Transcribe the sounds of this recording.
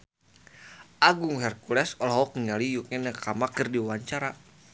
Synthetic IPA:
ʔaɡuŋhɛrkulɛsɔlaɦɔkəŋalijukɛnakamakɨrdiwaɲt͡ʃaɾa

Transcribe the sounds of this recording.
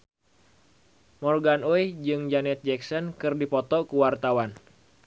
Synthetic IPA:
mɔrɡanojd͡ʒɨŋd͡ʒanɛt̪̚d͡ʒɛksɔnkɨrdipɔt̪ɔkuwart̪awan

